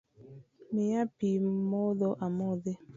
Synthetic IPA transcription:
mijapimɔðɔʔamɔðe

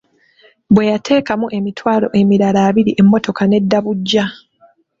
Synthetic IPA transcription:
bwe̞jatʰe̞ːkamuʔe̞mitʰwaːlo̞̰ʔe̞miɾalaːβiɾiʔe̞mːo̞to̞kane̞dːaβuɟːa

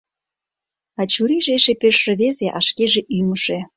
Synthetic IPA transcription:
ɑt͡ɕuɾiʒeʃepeʃːĕβezeʔɑʃkeʒeʔyməʃĕ

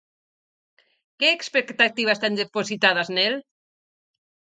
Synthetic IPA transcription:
keːkspekt̪at̪iβast̪end̪epozit̪aðaznel

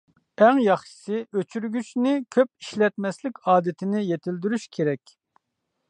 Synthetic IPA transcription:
ɛŋjɑχʃi̥sɪʔøt͡ʃʰyɾɡʲyt͡ʃnɪkʲʰøp̚iʃlɛt̪̚mɛslɪkʲɑːd̪ɪt̪ʰɪnɪjet̪ʰɪld̪yɾyʃkʲʰeɾɛkʲ

